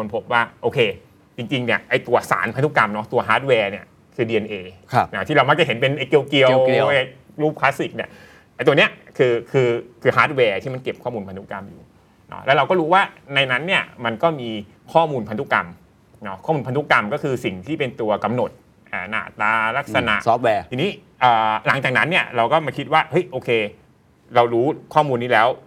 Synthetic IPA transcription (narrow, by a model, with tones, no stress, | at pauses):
kʰo˧npʰo˦˥p̚waː˥˩ʔoː˧kʰeː˧ | t͡ɕi˧ŋt͡ɕi˧ŋni˦˥˩ɐʔa˧jt̪u˧ɐsa̰ː˩˦npʰa˧nt̪u˥˩ka˧mnɔ˦˥t̪u˧ɐɦaː˦˥t̪̚wɛː˧ni˥˩ɐ | kʰɯː˧diː˧ʔe˧nʔeː˧nɔ˦˥t̪ʰiː˥˩ɾa˧wma˦˥k̚t͡ɕa˨˩ɦe˩˦npe˧nʔe˧ki˧əwki˧əw | luː˥˩p̚kʰlaː˦˥si˨˩k̚ni˥˩ɐ | t̪a˧˩t̪u˧ni˦˥ɐkʰɯː˧kʰɯː˧kʰɯː˧haː˦˥t̪̚wɛː˧t̪ʰiː˥˩ma˧nke˨˩p̚kʰɔː˥˩muː˧npʰa˧nt̪u˥˩ka˧mjṵː˨˩ | nɔ̰˦˥lɛ̰˦˥ɾa˧wkɔː˥˩ɾuː˦˥waː˥˩na˧jna˦˥nːi˥˩ɐma˧nkɔː˥˩miː˧ | kʰɔː˥˩muː˧npʰa˧nt̪u˦˥˩ka˧m | nɔ˦˥kʰɔː˥˩uː˧mpʰt̪u˦˥˩ka˧mkɔː˥˩kʰɯː˧si˨˩ŋt̪ʰiː˥˩pe˧nt̪u˧ɐka˧mno˨˩t̪̚ | ʔaː˨˩na̰ː˨˩t̪aː˧la˦˥k̚sa˧na̰˨˩ʔs̚wɛː˧iː˧niː˦˥ | ʔəː˨˩la˩˦ŋt͡ɕaː˨˩k̚na˦˥nːi˥˩ɐɾa˧wkɔː˥˩ma˧kʰi˦t̪̚waː˥˩hɤ˦˥jʔoː˧kʰeː˧ | ɾa˧wɾuː˦˥kʰɔː˥˩muː˧nːiː˦˥lɛː˦˥w